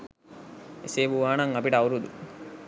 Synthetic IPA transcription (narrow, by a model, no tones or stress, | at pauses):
eseːʋuʋaːnɐŋɐbiʈɐɐwɾud̪u